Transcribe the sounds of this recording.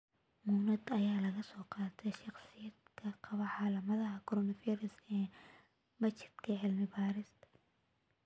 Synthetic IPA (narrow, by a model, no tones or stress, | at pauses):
munɐd̪ɐjaːlɐɣɐsɔːqɑːt̪ʰɛʃɑχsɪjɐd̪kʰɐqʰɑβɐħɑlɐmɐðɐɦɐkʰɔɾɔnɐfiːɾɪsɛː | mɐt͡ʃɪ̥d̪kʰɐʕɪlmɪbaːɾɪs